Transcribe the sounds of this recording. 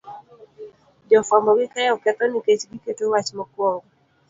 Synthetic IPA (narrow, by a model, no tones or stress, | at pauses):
d͡ʒɔfambɔɡɪkajɔkɛt̪ɔniket͡ʃɡiketowat͡ʃmɔkwɔ